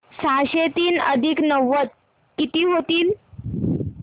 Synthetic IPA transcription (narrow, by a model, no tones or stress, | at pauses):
saɕet̪iːnə̰d̪ʱiknəʋːət̪̚ | kit̪iːɦot̪iːl